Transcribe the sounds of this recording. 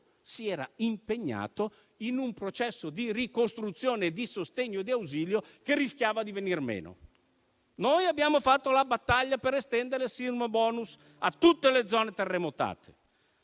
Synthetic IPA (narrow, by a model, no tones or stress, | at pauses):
siɛːɾa̰impeɲːa̰ːt̪o | inumpɾot͡ʃɛsːod̪irikost̪ɾut̪sːjoːned̪isost̪eɲːod̪iawziːljokerːisk̟jaːvad̪ivenirmḛːno̰ | nojabːjaːmofat̪ːolabat̪ːaʎːapeɾest̪ɛnd̪eɾesirmobɔːnus | at̪ːut̪ːeled̪zɔːnet̪erːemot̪a̰ːt̪ʰe̥